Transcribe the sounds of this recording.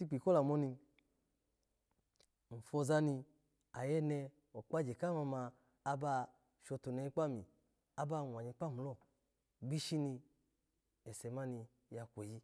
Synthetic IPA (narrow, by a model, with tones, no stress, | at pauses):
si˧˦k͡pi˨kɔ˦la˨mɔ˧ni˧ | n̩˨fɔ˧za˧ni˧ | a˨jɛ˧nɛ˧ | ɔ˨k͡pa˦d͡ʒe˨ka˦ma˧maː˧ | ba˧ | ʃɔ˧tu˨nɛ˨˧i˧k͡pa˦˨mi˨ | a˧ba˧˨wʷa˨ɲi˧k͡pa˦˨mu˨lɔ˦˨ | ɡ͡bi˦ʃi˦ni˧ | ɛ˨sɛ˨˦ma˦ni˧ | ja˧kʷe˨ji˦